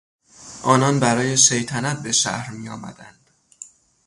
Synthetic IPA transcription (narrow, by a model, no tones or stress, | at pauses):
ʔɒːnɒnbæɾɒːje̞ʃe̞jt̪ʰænæt̪̚be̞ʃæ̰hɾmijɒːmæ̰d̪ænd̪̥